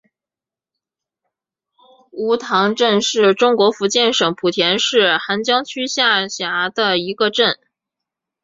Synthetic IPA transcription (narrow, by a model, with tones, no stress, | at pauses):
u˧˥t̪ʰɑ˧˥ŋʈ͡ʂə˥˧nʂɻ̩˥˩ʈ͡ʂʊ˥ŋkwɔ˧˥fu˧˥t͡ɕjɛ˥˩nʂɤ˨˥ŋpʰu˨˩t̪ʰjɛ˧˥nʂɻ̩˥˩xa˧˥nt͡ɕjɑ˥ŋt͡ɕʰy˥ɕja˥˩ɕja˧˥d̪ə˧i˧˥ɡə˧ʈ͡ʂə˥˩n